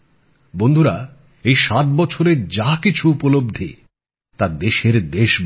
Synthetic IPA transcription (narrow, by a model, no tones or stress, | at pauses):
bond̪ʱuɾa | ejʃat̪̚bɔt͡ɕʰoɾeɾd͡ʑakit͡ɕʰuupolob̚d̪ʱe | t̪ad̪eʃeɾd̪eʃb